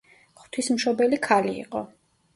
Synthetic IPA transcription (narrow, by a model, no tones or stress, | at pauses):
χt̪ʰwismʃɔbɛlikʰalḭːqʼɔ̰